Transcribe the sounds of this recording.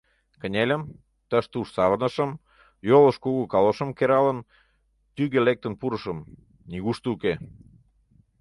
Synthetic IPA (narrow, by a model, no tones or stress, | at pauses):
kə̆nʲelʲə̆m | t̪ə̆ʃt̪uʃsɑβənə̆ʃə̆m | jolə̆ʃkuɣukɑloʃə̆mkeɾɑlən | t̪yɣelek̚t̪ə̆npuɾə̆ʃəm | niɣuʃt̪uke